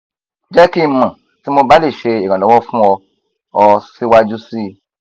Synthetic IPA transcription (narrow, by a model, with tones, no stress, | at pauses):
d͡ʒɛ˦ki˦mã˨ | ti˨˦mo˧ba˦le˦˨ʃe˧i˨ɡã˨lɔ˨˦wɔ˦fũ˦ɔ˧ | ɔ˧si˦wa˦d͡ʒu˦si˦˨